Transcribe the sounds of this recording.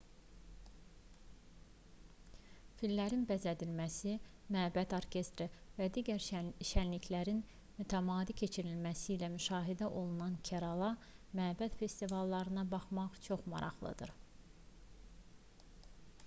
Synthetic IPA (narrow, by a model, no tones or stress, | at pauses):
filːæɾinbæzæd̪ilmæsi | mæbæt̪ʰoɾcʰe̞st̪ɾevæd̪iːɟæɾʃænliçlæɾin | myt̪ʰæmɑːd̪icʲʰe̞t͡ʃʰiɾilmæsiːlæmyʃɑːɦid̪æʔo̞lˠunɑncʰæɾɑlˠɑmæbæt̪fe̞st̪ivɑlˠːɑɾɯnɑbɑχmɑʁt͡ʃʰo̞χmɑ̰ɾʔɑ̰χlˠɯ̰d̪ɯ̰ɾ